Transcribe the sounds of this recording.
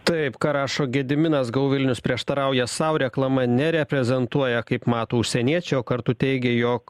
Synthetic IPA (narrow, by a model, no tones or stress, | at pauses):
t̪ɐɪpkɐɾɑːʃoːɡʲɛd̪ʲɪmʲɪnɐsɡɐʊʋʲɪlʲnʲʊspʲɾʲiɛʃt̪ɐɾɐʊjɛsɐʊɾʲɛklˠɐmɐnʲɛɾʲɛpʲɾʲɛzʲɛnt̪uɔjɛkɐɪpmɑːt̪oːʊʃʲsʲɛnʲiɛt͡ʃʲɛɪoːkɐɾt̪ʊt̪ʲɛɪɡʲɛjoːk